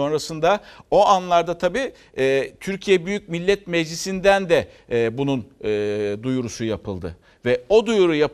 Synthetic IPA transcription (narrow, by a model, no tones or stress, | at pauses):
o̞nɾasɯnd̪ao̞ʔanlˠaɾd̪at̪ʰabiː | ɛːt̪ʰyɾcʰijɛbyjyc̚milʲːɛt̪mɛd͡ʒlʲisind̪ænd̪ɛ | bununː | d̪ujuɾusujapʰɯlˠd̪ɯ̰ | vɛo̞d̪ujuɾujap